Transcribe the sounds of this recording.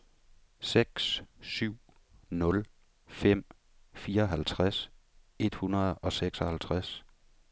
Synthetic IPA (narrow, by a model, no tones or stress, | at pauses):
seɡ̥ssyʊ̰ | nɔ̽l | fem̰ | fiːɐɒ̽ɦælt͡sʰʁas | e̝d̥hunɐð̞ˠɒ̽seɡ̥sɒ̽hælt͡sʰʁas